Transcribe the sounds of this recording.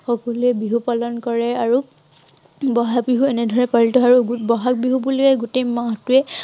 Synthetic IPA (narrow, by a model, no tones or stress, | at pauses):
xɔkɔluɛbiɦupalɔnkɔɹɛaɹu | bɔɦak̚biɦuɛnɛdʱɔɹɛpaɹiltɔaɹuɡubɔɦak̚biɦubulʊɛɡutejmãɦtʊɛ